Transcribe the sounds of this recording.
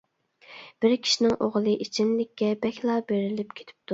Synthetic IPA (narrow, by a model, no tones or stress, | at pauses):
b̥ɪɾkʲʰi̥ʃinɪŋʔoʁlˠɨʔit͡ʃʰimlɪkʲːɛbɛkʲlˠɑːbeɾɪlɪpkʲʰe̥t̪ʰɪ̥p̚t̪ʰu